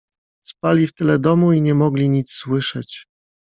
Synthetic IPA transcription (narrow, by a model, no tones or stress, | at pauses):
spalʲift̪ɘlɛd̪ɔmuiɲɛmɔɡlʲiɲit̪sswɘʂɛt͡ɕ